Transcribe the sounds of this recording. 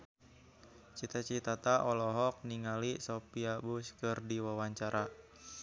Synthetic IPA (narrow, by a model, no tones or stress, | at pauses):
t͡ʃit̪at͡ʃit̪at̪aʔɔlɔɦɔk̚niŋalisopiabuskɨrdiwawaɲt͡ʃaɾa